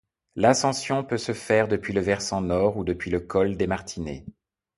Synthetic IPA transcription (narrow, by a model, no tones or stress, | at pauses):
lasɑ̃sjɔ̃pøsəfɛʁd̪əpɥiləvɛʁsɑ̃nɔʁud̪əpɥiləkɔld̪emaʁt̪ʰinḛ